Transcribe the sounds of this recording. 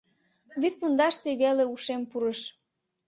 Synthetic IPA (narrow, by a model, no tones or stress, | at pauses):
βyt̪̚pund̪ɑʃt̪eβeleuʃempuɾəʃ